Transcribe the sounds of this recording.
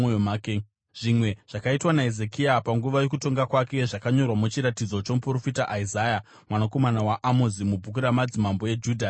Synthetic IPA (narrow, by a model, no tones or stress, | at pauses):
oomaːke | ʐ̥imwe̞ʐ̥akaitwanaeze̞kiapaŋɡuʋajo̞kuto̞ŋɡakwake̞ʐakaɲo̞rwamut͡ʃiɾatid͡zo̞t͡ʃomupro̞fitaʔaizaːja | mwanako̞manawaʔamozimub͡vʱuk̬uɾamad͡zimambo̞e̞d͡ʒuːdʱa